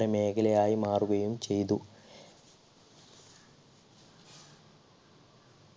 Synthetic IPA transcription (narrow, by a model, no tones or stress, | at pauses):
ɐme̞ːkʰɐlɐjaːjimaːruɣɐjumt͡ɕe̞jt̪̬u